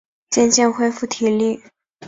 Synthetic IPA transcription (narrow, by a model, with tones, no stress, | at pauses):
t͡ɕjɛ˥˧nɕjɛ˥˧nxwe˥ɪfu˥˩t̪ʰi˨˥li˥˩